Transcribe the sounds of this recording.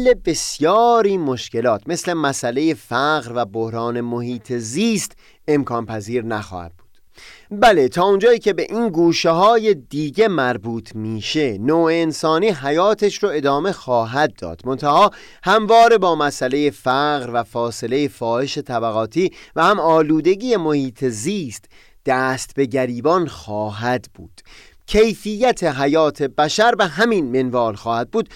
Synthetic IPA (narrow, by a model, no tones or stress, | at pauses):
lːe̞be̞sjɒːɾiːmoʃce̞lɒːt̪ʰme̞sle̞mæsæle̞je̞fæɣɢɾvæbohɾɒːne̞mohiːt̪ʰeziːst̪ | e̞mkʰɒːnpʰæziːɾnæxɒ̰ːhæ̰d̪̥̚bu̥ːd̪̥ | bælet̪ʰɒːond͡ʒɒːiːcʰe̞be̞ʔiːnɡuːʃeɦɒːje̞d̪iːɟe̞mæɾbuːt̪ʰmiːʃe̞noːeːnsɒːniːɦæjɒːt̪ʰeʃɾoe̞d̪ɒːme̞xɒːɦæd̪̚ːɒ̰ːd̪̥mo̞nt̪ʰæhɒː | hæmvɒːɾe̞bɒːmæsʔæle̞jefæɣɾvæfɒːse̞le̞jefɒːhe̞ʃe̞t̪ʰæbæɣɒːt̪ʰiːvæhæmɒːluːd̪e̞ɟiːje̞mo̞hiːt̪ʰe̞ziːst̪ | d̪̥æːst̪be̞ɟæɾiːbɒnxɒːɦæd̪bṵːd̪̥ | cʰe̞jfijːæt̪ʰe̞ɦæjɒːt̪ʰe̞bæʃæɾbeɦæminmenvɒːlxɒːhæd̪̚buːd̪̥̚